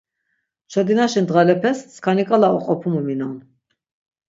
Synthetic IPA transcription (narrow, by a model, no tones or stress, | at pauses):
t͡ʃʰɔd̪inaʃind̪ʁɛlɛpʰɛsskʰanikʼalaɔqʼɔpʰumuminɔn